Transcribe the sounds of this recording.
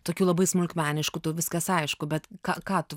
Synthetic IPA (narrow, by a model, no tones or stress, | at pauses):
t̪oːkʲuːlˠɐbɐɪsmʊlʲkmʲæːnʲɪʃkuːt̪oʋʲɪskɐsɐɪʃkʊbʲɛt̪kɑːkɑːt̪ʊ